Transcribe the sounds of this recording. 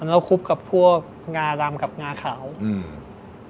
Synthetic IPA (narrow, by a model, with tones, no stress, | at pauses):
ʔa˧naː˦˥˩kʰu˦˥p̚ka˨˩ppʰu˥˩ək̚ | ŋaː˧daː˧mka˨˩p̚ŋaː˧kʰaː˩˦wɯː˧˩